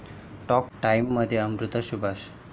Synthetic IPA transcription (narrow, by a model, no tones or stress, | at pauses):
ʈɔk̚ʈaimːəd̪ʱːjeəmɾut̪əʃubʱaʃ